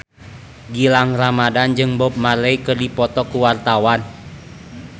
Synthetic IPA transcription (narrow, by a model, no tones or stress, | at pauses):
ɡilaŋramadand͡ʒɨŋbɔp̚malɛjkɨrdipɔt̪ɔkuwart̪awan